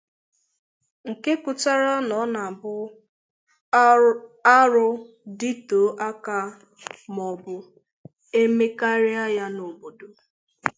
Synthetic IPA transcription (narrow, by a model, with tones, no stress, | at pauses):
ŋ̩˨ke˦kʊ˨ta˦ɾa˦nɔ˨˦na˨bʊ˦ | a˦ɾʊ˦ | di˦to˨˦ʔa˦ka˦ | mɔ˨bʊ˨ | e˦me˦ka˦ɾɪ˦a˦ja˦no˨bo˨do˦